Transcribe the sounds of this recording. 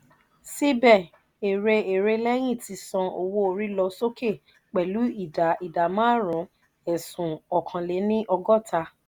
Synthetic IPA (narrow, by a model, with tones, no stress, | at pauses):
si˦bɛ˦˨ | e˨ɾe˧e˨ɾe˧lɛ˦j̃ĩ˦˨ti˨˧˦sɔ̃˧o˨wo˧˦o˧ɾi˦lɔ˧so˦ke˦˨ | k͡pɛ˨lu˨˦i˦˨da˨i˨da˨mã˦˨ɾũ˨˦ | ɛ˨sũ˨ɔ˨kʰã˧le˨˦nĩ˦ʔɔ˧ɡɔ˦˨ta˧